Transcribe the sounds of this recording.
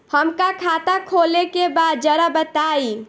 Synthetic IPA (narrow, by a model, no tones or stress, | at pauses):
həmkakʰat̪akʰoːlekebaːd̪̚d͡ʒəɾabət̪aːi